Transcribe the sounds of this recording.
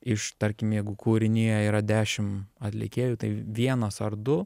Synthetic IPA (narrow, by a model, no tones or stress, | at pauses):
ɪʃt̪ɐɾʲkʲɪmjɛɪɡʊkʰuːɾʲɪnʲeːjɛiːɾɐd̪ʲæːʃʲɪmɐt̪ʲlʲɪ̰kʲeːjuːt̪ɐɪʋʲiɛnɐsɐrd̪ʊ